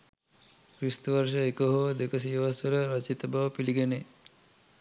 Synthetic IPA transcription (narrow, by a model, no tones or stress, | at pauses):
kɾist̪uʋɐɾʂɐekəɦoʋɐd̪ekəs̬ijʋɐsɐlɐɾɐt͡ʃit̪ɐbaʋɐpiliɡene